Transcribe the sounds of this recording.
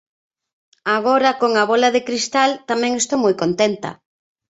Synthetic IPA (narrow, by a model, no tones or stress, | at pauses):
aɣ̞oɾɐkoŋaβɔlaðɪkɾist̪alt̪amɛ̃ŋest̪omojkont̪ent̪ɐ̰